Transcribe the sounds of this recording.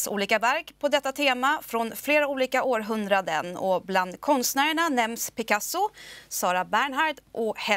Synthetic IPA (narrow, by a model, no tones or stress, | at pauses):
sṵːliːkavæɾkpʰɔd̪ɛt̪ːat̪ʰeːmafɾɔnfleːɾauːliːkaʔoːɾɦɵnd̪ɾad̪ə̰nɔ̰bland̪kʰɔnst̪næːɾəɳanɛmspʰɪkasʊsɑːɾabæːɳɦaɖʔɔhɛ